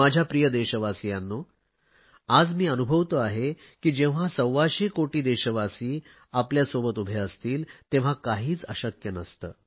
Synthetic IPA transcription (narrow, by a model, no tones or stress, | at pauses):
ad͡ʑʱjapɾijəd̪eɕəʋasijanːuː | ad͡zmiːənubʱəʋt̪əaɦe | kiːd͡ʑeʋ̤asəwʋaɕekoʈiːd̪eɕəʋasiː | apljasobət̪ubʱeəst̪iːlt̪ẽʋ̤akaɦiːt͡səɕəkjənəst̪ə̰ː